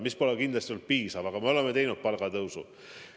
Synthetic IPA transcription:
mispolekind̪lest̪iolt̪̚piːsɑvɑkɑmeo̞lemːet̪ejnut̪̚pɑlɡɑt̪ɤwsṵ

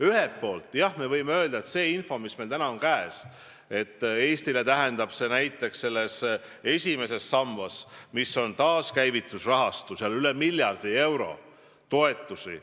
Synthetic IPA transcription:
yɦepːo̞ːlt̪ːˑjɑhme̞vɤjmeø̞ːld̪̥ɑet̪se̞ːinfo̞misme̞lt̪ænɑo̞nkæes | e̞t̪ˑːe̞ːst̪ile̞t̪æɦend̪ɑb̥se̞næjt̪ːˑe̞ksse̞lːe̞s | e̞sʲime̞se̞sːɑmvɑsmiso̞nt̪ɑːskæjvit̪ːˑusrɑɦɑst̪useɑlylemilʲjɑrd̪̥ie̞wɾo̞̰ | t̪o̞e̞t̪ːˑusḭ

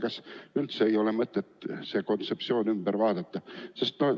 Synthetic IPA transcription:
kɑsnylt̪seeiolemət̪ːet̪sekont̪septsioːnymb̥ærʋɑːt̪et̪ːɑsest̪no

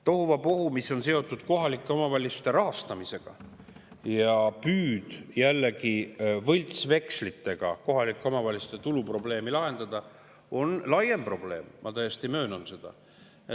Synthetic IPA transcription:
t̪o̞huvɑpo̞humisːo̞nse̞o̞t̪ːˑud̪̥ko̞ɦɑlʲikːˑeo̞mɑvɑlʲːisu̥t̪e̞ɾɑɦɑst̪ɑmise̞ɡ̥ɑ̰ | jɑpyːd̪̥jælːekivɤjlʲt̪sve̞kslit̪ːe̞ɡ̥ɑ̰ko̞ɦɑlʲikːˑeo̞mɑvɑlʲisu̥t̪et̪ulupro̞ble̞ːmilɑɦe̞nd̪̥ɑd̪̥ɑ | o̞nlɑje̞mpro̞b̥le̞ːmmɑt̪æjest̪imø̞ːnonse̞d̪̥ɑ̰ | e

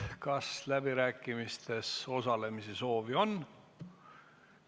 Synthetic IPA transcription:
kɑslæbiɾæːkːˑimist̪e̞so̞sɑle̞misiso̞ːvio̞n

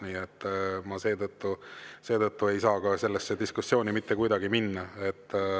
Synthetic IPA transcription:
niːet̪ːmɑse̞ːt̪ɤt̪ːuse̞ːd̪ɤt̪ːue̞jsɑːkɑse̞lːesːed̪̥iskusːjo̞ːnimit̪ːe̞kujd̪ɑɡ̥iminːɑe̞t̪ː

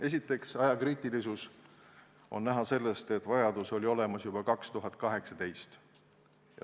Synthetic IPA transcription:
e̞sit̪ːˑe̞ksɑjɑkriːt̪ˑilisus | o̞̰nnæɦɑse̞lːest̪e̞t̪ːˑvɑjɑd̪uso̞lʲio̞lemɑsjub̥ɑkɑkst̪uɦɑt̪̚ːˑkɑɦe̞ksɑd̪e̞jst̪ | jɑ̰

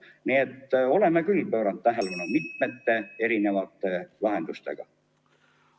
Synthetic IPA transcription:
niet̪ːo̞le̞mːekylpøːɾɑnt̪̚t̪æɦelunumit̪met̪ːe̞e̞ɾine̞vɑt̪ːˑe̞lɑɦe̞nd̪ust̪e̞̰ɡ̥ɑ̰

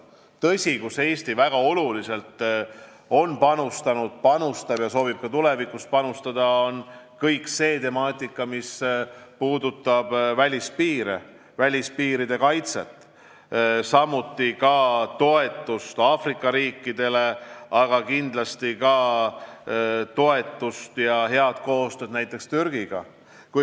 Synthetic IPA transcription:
t̪ɤ̞sʲikuse̞ːst̪ivæɡ̥ɑo̞lulise̞lt̪ | o̞npɑnust̪ɑnud̪̥̚pɑnust̪ɑb̥jɑso̞ːbib̥̚kɑt̪ule̞vikust̪̚pɑnust̪ɑd̪̥ɑon | kɤjkse̞ːt̪e̞mɑːt̪ʲːˑikːˑɑmispuːd̪ut̪ːˑɑb̥vælʲispiːɾḛ | vælʲispiːɾid̪e̞kɑjt̪se̞̰t̪ːˑ | sɑmut̪ːikɑt̪o̞e̞t̪ːˑust̪ɑːfrikːˑɑɾiːkːid̪̥e̞le̞ɑɡ̥ɑkind̪̥lɑst̪ikɑ | t̪o̞e̞t̪ːˑust̪jɑɦe̞ɑd̪̥ko̞ːst̪ø̞ːd̪̥næjt̪ːˑe̞kst̪yɾɡ̥iɡ̥ɑ̰ | kuj

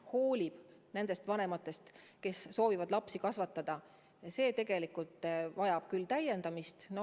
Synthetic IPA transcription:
ho̞ːlʲib̥ne̞nd̪̥e̞st̪vɑne̞mɑt̪ːˑe̞st̪ke̞sːo̞ːvivɑd̪lɑpsikɑsvɑt̪ːˑɑd̪̥ɑ | se̞ːt̪e̞ɡ̥e̞likult̪ˑvɑjɑb̥kylt̪æje̞nd̪ɑmist̪no

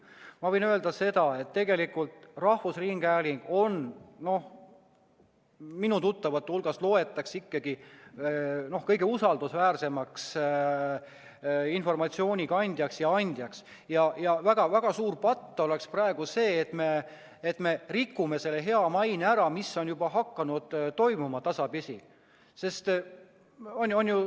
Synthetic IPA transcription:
mɑvɤjnø̞e̞ld̪ɑse̞d̪̥ɑe̞t̪ːe̞ɡe̞likːult̪rɑhvusriŋɡ̥æːliŋɡ̥o̞nno̞h | minut̪ut̪ːɑvɑt̪ːˑulɡ̥ɑslo̞ːe̞t̪ːˑɑksikːɑɡi | no̞hkɤjɡe̞usɑld̪usvæːrse̞mɑks | info̞rmɑt̪sio̞ːnʲikɑnʲd̪̥ʲjɑksjɑɑnʲd̪̥ʲjɑks | jɑjɑvæɡ̥ɑvæɡ̥ɑsuːrpɑt̪ːo̞le̞ksprɑeɡ̥use̞ːt̪ːme̞ː | t̪ːˑme̞rikːume̞se̞lːeɦe̞ɑmɑjneæɾɑmisːo̞njubɑɦɑkːɑnud̪̥t̪o̞jmumɑt̪ɑsɑpisʲi | se̞st̪ | o̞nʲo̞nju

